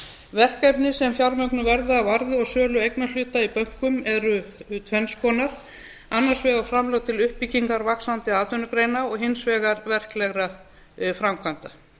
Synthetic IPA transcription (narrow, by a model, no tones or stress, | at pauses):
vɛr̥kɛpnɪsɛmfjawɾmœknʏvɛɾðaːvaɾðɪɔɣsœːlʏejknalʏːt̪aipœŋ̥kʏmɛɾʏt̪ʰvɛnskʰɔːnaɾ̥ | anːaɾ̥svɛɣaɾ̥fɾamlowt̪ʰɪlʏhpːicːiŋkaɾvaksant̪ɪaːt̪ʏnʏkɾejnaɔɣɦɪnsvɛːɣaɾvɛr̥klɛɣɾa | fɾamkʰvant̪a